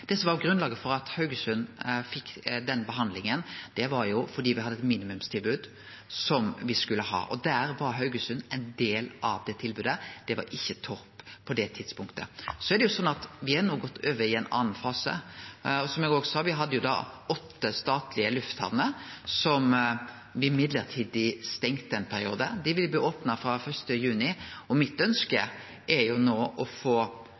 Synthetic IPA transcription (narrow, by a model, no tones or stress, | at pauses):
d̪̥ɛsɔmʋɑɾjʊɡɾʉnlɑːɡəfɔɾɑt̪hɑʉɡəsʉnːfɪkːd̪ɛnːbəɦɑnd̪lɪŋənd̪̥ɛʋɑɾjʊfɔd̪iːʋɪhɑd̪ːəɛt̪miːnɪmʉmst̪ʰɪlbʉːd̪ | sɔmʋɪskʉlːəhɑ̰ːʔɔ̰d̪æːɾʋɑɾɦɑʉɡəsʉnɛɪnd̪eːlʔɑ̰ʋd̪ɛt̪ʰɪlbʉːd̪əd̪̥ɛʋɑ̰ɾɪçːət̪ʰɔɾppʰːɔd̪ɛt̪ʰɪd̪spʊŋkt̪əsɔæɾd̪ɛjʊsɔnːɑt̪ʋɪɑɾnuːɡɔt̪ːøːʋəɪɛɪnɑ̰ːnn̩fɑːsə̰ɔsɔmjɛɡoːɡsɑːʋɪɦɑd̪ːəjʊd̪ɑ̰ːɔt̪ːəst̪ɑːt̪lɪəlʉft̪hɑ̰ʋnəsɔm | ʋɪɪmɪd̪ləɾt̪ʰiːd̪ɪst̪ɛŋt̪ɛnpʰæɾɪuːd̪əd̪ɪʋɪljbliːoːpnɑfɾɑfœʂsʈəjʉːnɪɔmɪt̪œnskə̰ | ʔɛɾjʊnoːʔɔfoː